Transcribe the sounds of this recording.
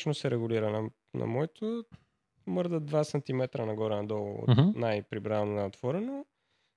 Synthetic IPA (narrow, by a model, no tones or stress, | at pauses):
t͡ʃnosɛɾɛɡʊliɾənɐ | nɐ̰mɔɛt̪o | mɤɾd̪əd̪vasɐnt̪imɛt̪ɾənɐɡɔɾɛnɐd̪ɔlˠo̰t̪najpɾibɾanonɐt̪v̥ɔɾɛno